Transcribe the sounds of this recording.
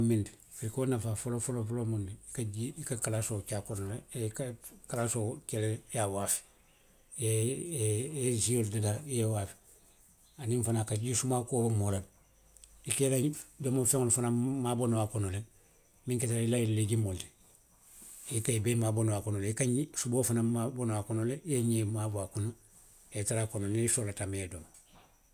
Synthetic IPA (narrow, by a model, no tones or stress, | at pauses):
mindi | fiɾikonafafolofolofolomundiikaɟiikakalasokakonoleekkalasokelejawafi̥ | e | ezioldadajewafi̥ | animfanakaɟisumakobamoɾan | ikelaidomofeŋolfanamabonowakonole | miŋketalilajilleɡimolde | ikajibemaːbonowakonoleikaɲisuboːfanaabonowakonolejeɲemabuakono | etaɾakononeisolatamedomo